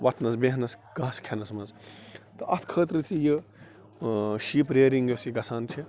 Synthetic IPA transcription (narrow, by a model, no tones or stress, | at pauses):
ʋɐt̪ʰnɐsbeɦnɐsɡaːskʰenɐsmɐzt̪ɨʔɐt̪ʰkʰəːt̪ɾɨt̪ʰijɨ | ʃiːpɾeːɾiŋɡjosiɡɐsaːnt͡ʃʰi